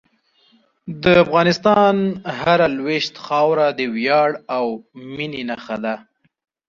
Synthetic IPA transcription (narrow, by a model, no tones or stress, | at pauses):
d̪əafɣɑnɪst̪ɑnhaɾalweʃt̪xɑwɾad̪əwjɑɽawmininaxad̪a